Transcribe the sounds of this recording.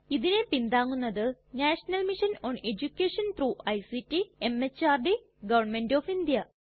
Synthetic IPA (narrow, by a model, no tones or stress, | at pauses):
iðine̞pind̪aːŋːunːɐðɨnaːʂɐnɐlmiʂɐnoːne̞d͡ʑukʲːeːʂɐnt̪ruːʔɐjsitːiemet͡ɕːaːrɖi | ɡɐʋɐrɳmenɖoːfind̪jɐ